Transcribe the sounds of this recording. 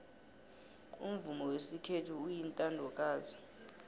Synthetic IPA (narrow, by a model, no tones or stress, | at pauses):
ṵm̩vumɔwesikʰetʰuːjintʼandʱɔkʼaːzi